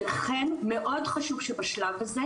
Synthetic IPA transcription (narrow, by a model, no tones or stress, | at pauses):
laχenmeʔodχaʃuv̥ʃɛbaʃlavhaze